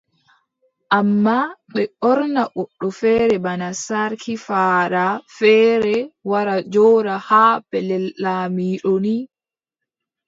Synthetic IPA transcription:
ʔamːaɓɛɔɾnaʔɔɗːɔfɛːɾɛbanasaɾkʰifaːɾafɛːɾɛwaɾad͡ʒɔːɾahaːbɛlɛllaːmiːɗoni

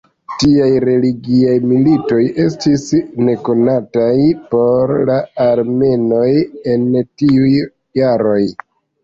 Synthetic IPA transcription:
tiajɾe̞liɡiajmilito̞je̞stisne̞ko̞natajpo̞ɾlaːɾme̞no̞je̞ntiujː | aɾo̞j

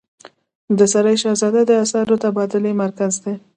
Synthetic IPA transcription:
d̪əsaɾajʃɑzɑd̪ad̪əasɑɾot̪abɑd̪ɪlemaɾkazd̪e

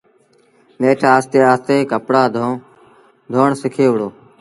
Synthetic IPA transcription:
meːʈʰaːst̪eːaːst̪eːkəpɽaːd̪ʱ | d̪ʱoːɳsɪkʰeːʊɽoː

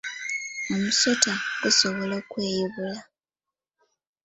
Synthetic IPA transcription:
omuso̞taɡ̥uso̞βo̞lokwe̞ːjiβula

